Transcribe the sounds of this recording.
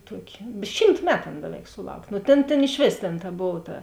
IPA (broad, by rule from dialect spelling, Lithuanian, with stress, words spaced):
ˈtuɔkʲɪ ˈʃʲiːmt ˈmʲæːtʊ ˈɐn ˈbʲæːˌʋʲɛɪk sʊˈlˠɐʊkʲ nʊ ˈtʲeːn ˈtʲeːn ɪʃ ˈʋʲeːs tʲeːn tɐ ˈboːw tɐ